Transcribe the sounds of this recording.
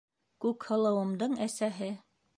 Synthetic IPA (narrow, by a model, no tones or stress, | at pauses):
kʉkhɤ̆lˠɤ̆wɤ̆md̪ɤɴæsæɦɘ